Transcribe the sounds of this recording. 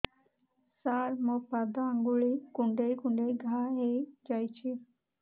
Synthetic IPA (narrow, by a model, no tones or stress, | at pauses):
saɾmok̚pad̪aːŋɡuɭikuɳɖejkuɳɖejɡʱaɦejd͡ʒajt͡ʃʰi